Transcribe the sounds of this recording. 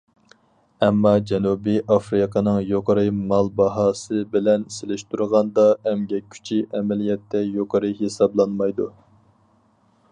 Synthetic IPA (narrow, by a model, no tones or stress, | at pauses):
ɛmːɑd͡ʒɛnubiʔɑfɾɨqʰənɨŋjoqʰəɾɨmɑlˠbɑɦɑːsɨbɪlɛnselɪʃt̪uɾʁɑnd̪ɑɛmɡʲɛkʲʰy̥t͡ʃʰiʔɛmɛlijɛt̪ʰːɛjoqʰəɾɨɦesɑblˠɑnmɑjd̪u